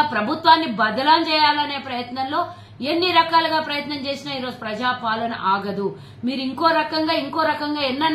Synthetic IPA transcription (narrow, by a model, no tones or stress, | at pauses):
pɾɐbʱut̪ʋaːnːibɐd̪ɐlaːnt͡ʃɛːjaːlɐne̞ːpɾɐjɐt̪nɐnlo̞ː | enːiɾɐkaːlɐɡaːpɾɐjɐt̪nɐmt͡ʃe̞ːsinaːiːɾo̞ːd͡ʒupɾɐd͡ʒaːpaːlɐnɐ̰ʔaːɡɐd̪u | miːɾuiŋko̞ːɾɐkɐŋɡaːiŋko̞ːɾɐkɐŋɡaːenːɐ